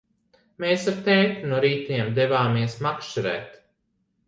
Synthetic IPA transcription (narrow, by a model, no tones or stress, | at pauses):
meːsaɾt̪ɛːt̪unuɔɾiːt̪iɛmd̪ɛvaːmiɛsmakʃt͡ʃiɾɛ̰ːt̪